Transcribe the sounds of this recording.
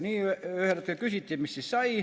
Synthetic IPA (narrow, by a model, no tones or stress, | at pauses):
niːøøheræt̪køkysit̪ʲːiːmississɑi